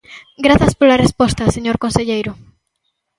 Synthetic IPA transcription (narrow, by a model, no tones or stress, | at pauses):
ɡɾaθɐspolarespɔst̪ɐseɲoɾkõnseʎejɾʊ